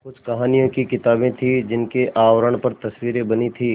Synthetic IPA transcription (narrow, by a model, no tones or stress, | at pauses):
kʊt͡ʃʰkɐɦaːnijõkikɪt̪aːbẽt̪ʰid͡ʒɪnkeaːʋɾəɳ̃pɐɾt̪ɐswiːɾẽbɐnit̪ʰiː